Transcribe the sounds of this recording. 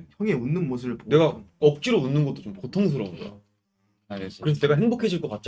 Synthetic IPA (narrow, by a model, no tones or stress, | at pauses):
çjʌŋe̞unːɯnmos̬ʰɯɯɭpone̞ɡaʌk̚t͡ɕ͈iɾounːɯnɡʌt͈ot͡ɕomkotʰoŋs̬ʰɯɾʌunɡʌjo̰ | kɯɾes̬ʰʌne̞ɡaɦeŋbokʰe̞ɕʰiɭk͈ʌkat̚t͡ɕ͈